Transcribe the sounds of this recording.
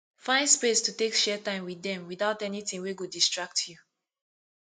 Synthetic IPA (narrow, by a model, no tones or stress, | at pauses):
fãɪ̃ndspestutekʃɛtãɪ̃mwiðɛ̃mwiθaʊtɛnitĩŋweɡodistɹak̚tʰju